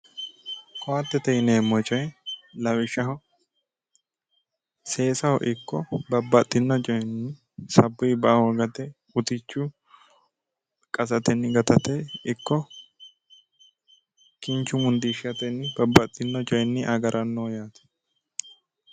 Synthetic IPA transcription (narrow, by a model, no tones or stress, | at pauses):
kʰɔwat̪ːɛt̪ɛjneːmɔt͡ʃʼɔjlɐwɪʃɐɦɔ | se̞ːsɐhɔ̰ʔɪkːɔbɐbːɐt̪ʼːɪnːɔt͡ʃʼɔjnːɪ | sɐbːʊjbɐʔɐhɔɡɐt̪ɛ | ʊt̪ɪt͡ʃːʊ | kʼɐsɐt̪ɛnːɪɡɐt̪ɐt̪ɛɪkːɔ | kɪnt͡ʃːʊmʊnd̪iʃɪɐt̪ɛnːɪb̥ɐbːɐt̪ʼːɪnːɔt͡ʃʼɔjnːɪʔɐɡɐɾʔɐnːoːjaːt̪ɛ̥